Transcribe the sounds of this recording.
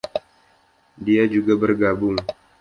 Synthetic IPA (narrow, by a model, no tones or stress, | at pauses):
diad͡ʒuɡabərɡabʊŋ